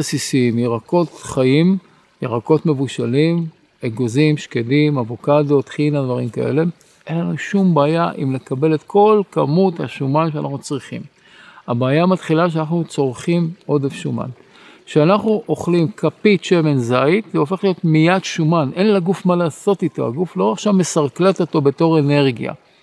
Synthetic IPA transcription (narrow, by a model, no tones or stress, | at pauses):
esisiimjeʁako̞tχaim | jeʁako̞tme̞vuʃalim | eɡo̞zimʃkedimavokado̞t̪χinadvaʁimka̰ʔe̞̰le̞ | ʔe̞nlanuʃumbaːjaʔimle̞kabe̞let̪kʰo̞lkamutha̰ʃumanʃeanaχnut͡sʁiχḭm | abaːjamat̪χilaʃ̬eanaχnut͡so̞ʁχimo̞defʃuma̰n | ʃeanaχnuʔo̞χlimkʰapitʃeme̞nzaitveo̞fe̞χlijo̞tmijadʃumanʔe̞nlaɡufmalaːso̞tito̞̰a̰ɡuflo̞ʁaχʃavme̞saʁkleto̞t̪o̞be̞to̞ʁe̞ne̞ʁɡija̰